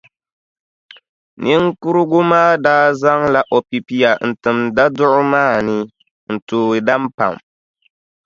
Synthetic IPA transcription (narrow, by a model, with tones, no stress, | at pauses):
nɨ˦ŋku˦ɾɨ˦ɡʊ˦maː˦daː˦za˦ŋla˦ʔo˨pi˨pi˦ja˨n̩˨tɨ˨mda˦dʊ˦ʔʊ˦maː˦˨nɨ˦ | n̩˨toː˨ɾɨ˨da˦m˦pa̰˨m